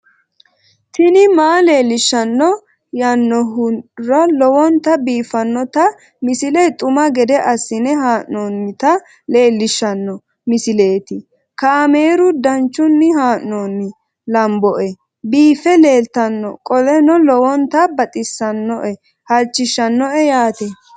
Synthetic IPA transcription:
t̪ɪnɪmaːle̞ːlːɪʃːɐnːɔ | jɐnːɔɦʊɾɐlɔwɔnt̪ɐbiːfɐnːɔt̪ɐ | mɪsɪlɛt̪ʼʊmɐɡɛd̪ɛʔɐsːɪnɛɦaːʔnonːɪt̪ɐ | le̞ːlːɪʃːɐnːɔ | mɪsɪle̞ːt̪ɪ | kaːme̞ːɾʊd̪ɐnt͡ʃːʊnːɪhaːʔnɔːnːɪ | lɐmbɔʔɛ | biːfɛle̞ːlt̪ɐnːɔkʼɔlɛnɔlɔwɔnt̪ɐbɐt̪ʼɪsːɐnːɔʔɛ | hɐlt͡ʃːɪʃːɐnːɔɛjaːt̪ɛ

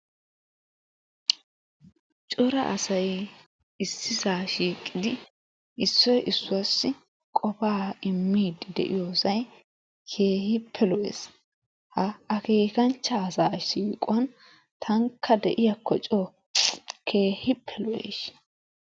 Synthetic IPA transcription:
t͡ʃʼɔɾɐ̰ʔɐsɐj | ɪsːɪzaːʃiːkʼːɪd̪ɪ | ʔɪsːɔjʔɪsːʊɐsːɪ | kʼɔpaːɪmːiːd̪ɪd̪ɛ̰ʔɪjoːsɐj | kʰe̞ːhɪpʰːɛlɔʔḛːs | hɐɐkeːkɐnt͡ʃːɐːsaːʃiːkʼʊwɐn | t̪ʰɐŋkʰːɐd̪ɛʔɪjɐkʰːɔt͡ʃʼoː | kʰe̞ːhɪpʰːɛlɔʔḛʃ

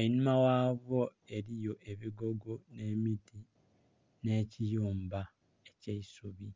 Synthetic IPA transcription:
oinumawaːβo | e̞ɾijo̞ʔe̞βiɡo̞ɡone̞ːmiti | ne̞ːcijuːmba | eceisuβi

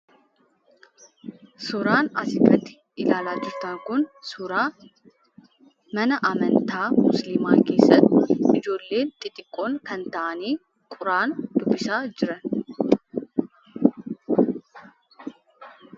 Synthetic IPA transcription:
sʊɾaːnɐ̰sɪɡʼɐt̪ːɪ̥ | ɪlaːlaːd͡ʒɪɾt̪ɐŋkʊnsʊɾaː | mɐnɐʔɐmɐnt̪aːmʊslɪmaːke̞ːsːɐt̪ɪd͡ʒo̞ːlːe̞ːnt̪ʼɪt̪ʼɪkʼːo̞ːŋkɐnt̪ɐʔɐniː | kʼʊɾaːnd̪̥ʊbːɪsaːd͡ʒɪɾɐn

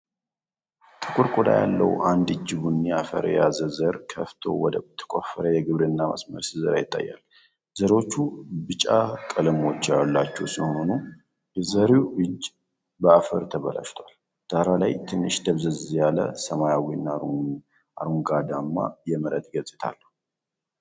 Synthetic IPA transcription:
t̪ʰɨ̥kʼʊɾkʷʼod̪a̰ja̰lːə̰wʔand̪ɨd͡ʒːɪβunjɛafə̰ɾjazəzəɾkʰəft̪ʰo̞̰wɔd̪ət̪ʰːə̥kʼofːəɾəjɛɡɨβɾɨnːamʔə̰smə̰ɾsɨzəɾajɪt̪ʼːa̰jːa̰l | zəɾwo̞t͡ʃːubɨt͡ʃʼakʼələmo̞t͡ʃːjalːat͡ʃːɛwsɨhononu | bɛzəɾiwʔɨd͡ʒ | bəafəɾt̪ʰəβəla̰ʃt̪ʰwal | d̪̥aɾalajt̪ʰɨnːɨʃd̪əβzəzjalə̰səmajawinːa | ʔaɾuŋɡad̪amːa̰jɛməɾət̪ɡət͡sʼɪt̪ʰa̰lːəhu

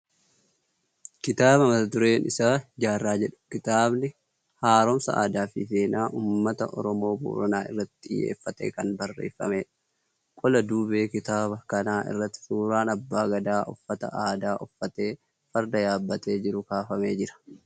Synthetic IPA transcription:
kɪt̪aːbɐmɐt̪ɐt̪ʊɾeːnɪ̰saːd͡ʒaːrːaːd͡ʒɛᶑʊ̥kɪt̪aːbnɪ | haːɾɔmsɐ̰ʔa̰ːd̪aːfifeːnaːʔuːmːɐt̪ɐ̰ʔɔ̰ɾɔmo̞ːbo̰ːɾɐnaːɪ̰rːɐt̪ːɪ̥t̪ʼɪ̰jːḛːfːɐt̪ḛːkɐnbɐrːe̞̰ːfːɐ̰meːᶑɐ̥ | kʼɔlɐd̪uːbeːkɪt̪aːβɐkɐnaːʔɪ̰rːɐt̪ːɪ̥suːɾaːnɐbːaːɡɐd̪aːʔɔfːɐt̪ɐ̰ʔaːd̪aːʔɔfːɐt̪e̞ː | fɐɾd̪ɐjaːbːɐt̪e̞ːd͡ʒɪɾʊkaːfɐme̞ːd͡ʒɪɾɐ̥

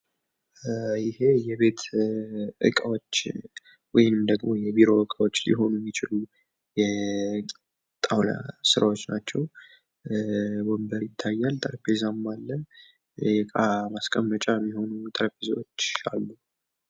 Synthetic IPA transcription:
jɪhe̞jɛβe̞t̪ʰ | ʔɨ̰kʼəwot͡ʃː | wɔjɪmd̪əɡmo̞jɛbiɾo̞ɨkʼəwo̞t͡ʃːlɪ̰ɦo̞numːɪt͡ʃɪlu | jɛ | t̪ʼawla̰sɨɾawot͡ʃːnat͡ʃːɛw | wombəɾjɪt̪ʰːajːalt̪ʼəɾpʰezamːalːə | jɛkʼamaskʼəmːət͡ʃʼamːiho̞nut̪ʼəɾpʰezəwot͡ʃːa̰lːu

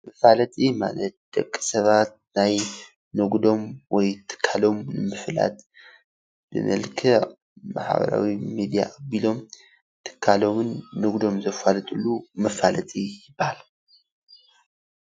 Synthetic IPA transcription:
mɐfalɐt̪ʼima̰lɐt̪̚d̪̥ɐkʼːi̥sɐβat̪̚naj | nɨɡd̪o̞mwɔjt̪ʰɨ̥kʰːalo̞mnɨmɨfla̰t̪ | b̥ɨ̰mʔɐlkʰɨ | ma̰ħbɐ̰ɾa̰wimid̪ija̰ʔːbilo̞m | t̪ʰɨ̥kʰːalo̞mɨnːɨɡd̪o̞mzɐfalɨt̪ʼulːumɐfalɐt̪ʼijɪbːahalu

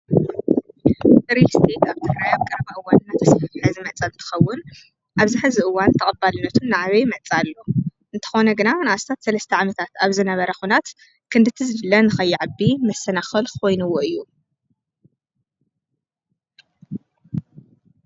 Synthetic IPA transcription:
ʔɨɾist̪ʰet̪aβt̪ʰɨɾajaβkʼɐɾβaʔɨwanɨnːat̪ʰɐsfɐfħɨzɨmɐt͡sʼɐlɨnt̪ʰɨ̥xɐwːʊn | ʔaβzɨħazɨʔɨwːant̪ʰɐqʼɨbːalɨnːɐt̪ʰunːaʕaβɐjmɐt͡sʼalːo | ɨnt̪ʰɐ̥xo̞nɐɡɨnanɨʔast̪ʰat̪sɐlɐst̪ʰɐʕamɐt̪ʰat̪aβzɨnɐβɐɾɐxunat̪ | kʰɨnd̪ɨt̪ʰɨzɨlɨlːɐnɨxɐjːɪʕabːimɐsɐnaxɐlkʰo̞jnuwoʔɨjːu

